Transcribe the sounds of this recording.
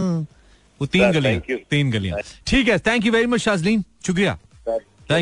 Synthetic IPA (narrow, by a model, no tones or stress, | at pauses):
ot̪iːnɡɐlijãt̪iːnɡɐlijã̰ʈʰiːkɛːt̪ʰɛ̃ŋk̬juʋɛɾimɐt͡ʃʃaːzlĩːnʃʊk̬ɾija̰ː | t̪ʰɛ̃